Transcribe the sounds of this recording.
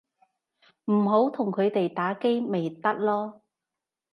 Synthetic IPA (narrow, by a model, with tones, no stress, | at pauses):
m̩˨˩ɦo˨˥wt̪ʰʊ˨˩ŋkʰɵ˨˧t̪e˨jt̪aː˨˥ke˥jme˨jt̪ɐ˥t̚lɔː˥